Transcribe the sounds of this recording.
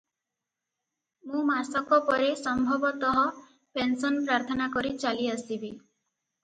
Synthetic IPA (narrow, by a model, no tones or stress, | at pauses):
mũmasɔkɔpɔɾesɔmbʱɔbɔt̪ɔɦɔ | pensɔnpɾaɾt̪ʰɔnakɔɾit͡ʃaliasibi